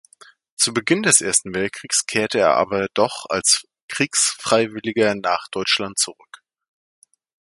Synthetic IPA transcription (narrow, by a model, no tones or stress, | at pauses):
t͡subəɡɪndɛsʔeːɐstn̩vɛlt̚kʁ̥iːkskʰeːɐtəeːɐʔa̰ːbɐdɔχa̰ls | kʁ̥iːksfʁ̥aɪvɪlɪɡɐnaːχd̥ɔʏt͡ʃlant̚t͡suʁʏk